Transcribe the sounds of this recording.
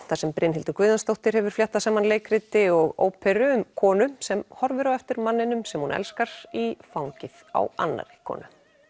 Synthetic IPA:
θasɛmpɾʔɪnɦɪlt̪ʏkvʏːðanst̪owht̪ɪɾ̥hɛvʏɾ̥flaht̪ːasaːmanleːjkɾɪt̪ɪɔɣo̰ːwpʰɛɾʏʏmkʰɔːnʏsɛmhɔɾvʏɾaɛft̪ɪɾmanːɪnʏmsɛmhunɛ̰lskaɾ̥ifawŋcɪð̥a̰wa̰nːa̰ɾɪkʰɔ̰ːnʏ

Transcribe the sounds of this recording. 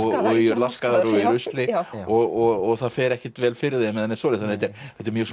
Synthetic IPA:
ɣɔɣilaskaðaɾuiɾʏst̪lɪɔɣɔɣɔɣθaðfɛːɾɛhcɪt̪vɛːlfɪɾɪðɛmɛðɛnːɪsɔːlɪθanhɛt̪ɛɾɛt̪ːɪɾmjœːs

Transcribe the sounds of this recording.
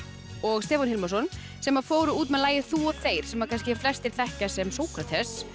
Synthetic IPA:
ɔɣst̪ɛːfɔnhɪlmasɔn | sɛmafoːwɾʏuːt̪mɛðlaːjɪθuɔθeːjɾ̥sɛmaɾkʰajnscɪɛɾ̥flɛst̪ɪɾ̥θɛhcasɛmsoːwkʰɾat̪ʰɛs

